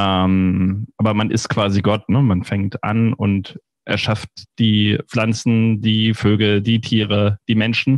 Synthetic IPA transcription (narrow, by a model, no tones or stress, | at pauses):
ʔɛmʔaːbɐmanʔɪ̰stkv̥aːziɡɔtnəmanfɛŋk̚tʔa̰nʊ̰nt | ʔɛ̰ɐʃaft̚d̥iːflant͡sn̩diːføːɡl̩diːtʰiːʁəd̥iːmɛnʃn̩